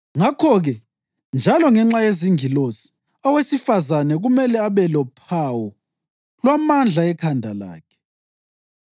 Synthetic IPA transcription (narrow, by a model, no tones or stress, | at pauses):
ŋakʰɔɣɛ | nd͡ʒʱalɔŋɛŋ͡ǁajeziŋilosi̥ | ɔwesifazanɛɣumɛlɛaβɛlɔpʰawɔ | lwamand͡ɮʱaɛkʰandʱala̰ːkʰɛ̥